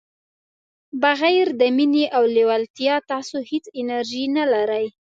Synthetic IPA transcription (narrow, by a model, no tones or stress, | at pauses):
baɣajɾd̪əmineʔawlewalt̪jɑt̪ɑsohet͡sɪnaɾʒinalaɾaj